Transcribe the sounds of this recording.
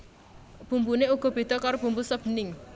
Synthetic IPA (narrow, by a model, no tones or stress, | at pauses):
b̥ṳmbuneuɡ̥ɔ̤b̥i̤d̪̥ɔkaɾob̥ṳmbusəb̥ənɪŋ